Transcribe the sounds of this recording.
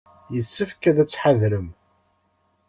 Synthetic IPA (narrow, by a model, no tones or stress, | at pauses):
jəsːəfkæðæt͡sːħaðɾəm